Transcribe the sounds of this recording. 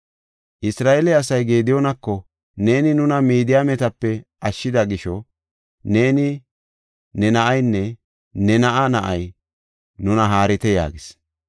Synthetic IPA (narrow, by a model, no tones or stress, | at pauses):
ʔɪsɾaːʔɛlɛɐsɐjɡe̞ːd̪ɪjonɐkːɔ | ne̞ːnɪnʊnɐmiːd̪ɪjaːmɛt̪ɐpːɛʔɐʃːɪd̪ɐɡɪʃɔ | ne̞ːnɪ | nɛnɐʔɐjnːɛ | nɛnɐʔɐnɐʔɐj | nʊnɐɦaːɾɪt̪ɛja̰ːɡɪs